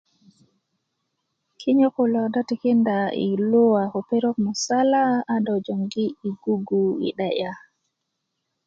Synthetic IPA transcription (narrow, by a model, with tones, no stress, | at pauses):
kʰi˦ɲo˦ku˨lɔ˨da˦tikindaḭlu˦wakɔ˨pe˦ɾɔ˦kmɔ˨salaː˦dawd͡ʒo˨ŋɡi˦i˨ɡu˦ɡuḭ˨ɗaʔa